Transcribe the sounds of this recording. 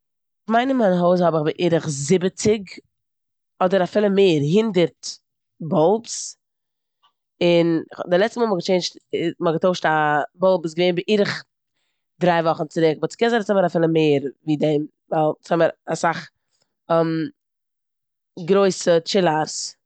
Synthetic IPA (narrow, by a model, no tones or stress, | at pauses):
maɪnəmanɦoʊs̬hɔbɪχbɪʔiːɾəχzɪbət͡sɪɡ | ɔdəɾafɪlˠəmeːɾɦɪndəɾt | bɔlˠps | ɪnχdɪlˠɛt͡stəmɔːmɔɡət͡ʃeɪnt͡ʃtɪmɔɡətoʊʃtabɔlˠpɪsɡəveɪnbɪʔiːɾəχ | dɾaɪvɔχn̩t͡sɪɾɪkbɔt͡sɪ̥kɛnzasɔməɾafɪlˠəmeɪɾviːdɛm | valˠt͡sɔməɾasaχ | ɛm | ɡɾoɪsət͡ʃɪlˠaɾs